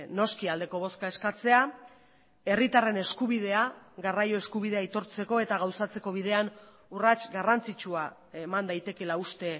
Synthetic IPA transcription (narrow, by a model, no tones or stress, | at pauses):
no̞skiald̪e̞ko̞β̞o̞skae̞skat͡se̞a | e̞rit̪are̞ne̞skuβ̞ið̞e̞aɣarajo̞e̞skuβiðe̞ait̪o̞ɾt͡se̞ko̞e̞t̪aɣawsat͡se̞ko̞β̞ið̞e̞an | urat͡ʃɡarant͡sit͡ʃua | emand̪ajt̪e̞ke̞laust̪e̞